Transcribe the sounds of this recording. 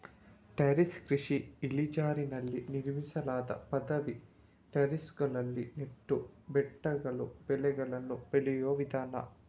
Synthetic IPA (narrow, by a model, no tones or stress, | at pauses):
ʈɐɾiskɾiʂiːlid͡ʒaːɾinɐlːiniɾmisɐlaːd̪ɐ̰pɐd̪ɐʋi | ʈɐɾisɡɐɭɐlːineʈːubɛʈːɐɡɐɭubɛlɛɡɐɭɐnːubeɭijoːʋid̪ʱaːnɐ̰